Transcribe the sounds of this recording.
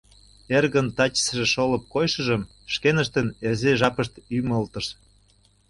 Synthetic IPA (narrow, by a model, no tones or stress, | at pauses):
erɣənt̪ɑt͡ɕə̥sʒĕʃolə̆p̚kojʃə̆ʒə̆m | ʃkenə̆ʃt̪ənezeʒɑpəʃt̪yməlt̪ə̆ʃ